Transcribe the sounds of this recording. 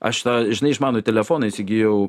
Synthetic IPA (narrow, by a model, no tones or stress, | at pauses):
ɐ̰ʃt̪aʒʲɪnɐɪɪʃmɑːnot̪ʲɛlʲɛfoːnɐsʲɪɡʲijɛʊ